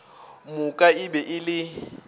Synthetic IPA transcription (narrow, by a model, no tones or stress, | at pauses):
mʊkʼaɪbɛʔɪlɪ